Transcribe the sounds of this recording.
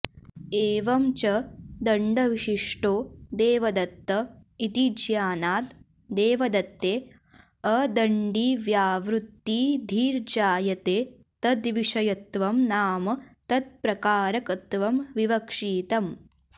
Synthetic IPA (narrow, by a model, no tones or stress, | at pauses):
eːʋɐmt͡ʃɐd̪ɐɳɖɐʋiʃiʂʈoːd̪eːʋɐd̪ɐt̪ːɐit̪id͡ʒʱjaːnaːt̪ | d̪eːʋɐd̪ɐt̪ːeː | ɐd̪ɐɳɖiːʋjaːʋɾut̪ːiːd̪ʱiːɾd͡ʒaːjɐt̪eː | t̪ɐd̪ʋiʂɐjɐt̪ʋɐmnaːmɐt̪ɐd̪̚pɾɐkaːɾɐkɐt̪ʋɐmʋiʋɐkʂiːt̪ɐm